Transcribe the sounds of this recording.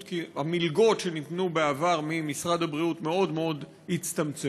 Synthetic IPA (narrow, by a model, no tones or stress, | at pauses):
kiamilɡo̞tʃe̞nit̪nubeavaʁmimisʁad̪habʁiut̪me̞o̞d̪meo̞d̪ | hit͡st̪amt͡se